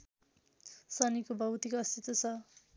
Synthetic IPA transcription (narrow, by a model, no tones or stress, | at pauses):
sʌnikobʱʌwt̪ikoʌst̪it̪ot͡sʰʌ